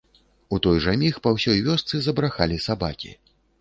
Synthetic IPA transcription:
ut̪ɔjʐamʲixpawsʲɔjvʲɔst̪sɨzɐbɾaxalʲisabakʲḭ

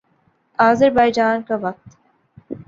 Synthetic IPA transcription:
aːzəɾbaːjd͡ʒaːnkaʋɐq̚t̪

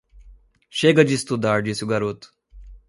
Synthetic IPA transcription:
ɕeɡəd͡ʒist̪ud̪aːɾd͡ʒisuɡaɾot̪

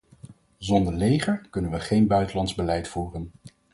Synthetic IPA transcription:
zɔndəɹlejχəɹkɵnənʋəχejnbœɥtəlɑntzbəlɛjtfuːrən

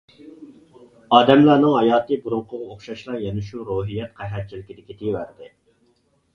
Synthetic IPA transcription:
ɑːd̪ɛmlˠæɾnɨŋɦɑjɑːt̪ɨbuɾuɴqʰʊʁɑoχʃɑʃlˠɑɾjɛnɪʃuɾoːɦijːɛt̪̚qʰɛɦɛt̪̚t͡ʃʰilɪkʲid̪ɪkʲit̪ʰiwæɾd̪ɪ

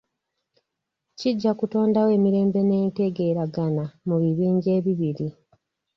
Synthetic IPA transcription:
ciɟːakuto̞ːndawe̞ːmiɾe̞ːmbe̞ne̞ːnte̞ɡe̞ːɾaɡanamuβiβiːɲɟe̞ːβiβiɾi

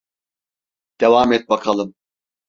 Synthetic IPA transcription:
d̪̥evaːmɛt̪̚bakʰalˠɯm

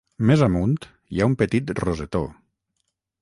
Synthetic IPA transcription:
mezamunt̪ | jaumpət̪it̪rozet̪o̰

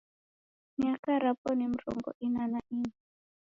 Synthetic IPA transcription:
miakaɾapɔnim̩ɾɔ̰ŋɡɔ̰ʔinanaʔina

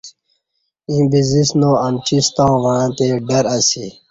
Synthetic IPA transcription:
ĩbizisnõɐmt͡ɕist̪ãũʋaãːt̪eːɖɐɾɐsi

